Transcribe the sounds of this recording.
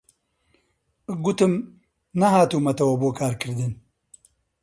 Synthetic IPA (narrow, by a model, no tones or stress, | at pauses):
ɡut̪ɨm | nɐɦaːt̪uːmɐt̪ɐwɐboːkʰaːɾkʰɨɾd̪ɨn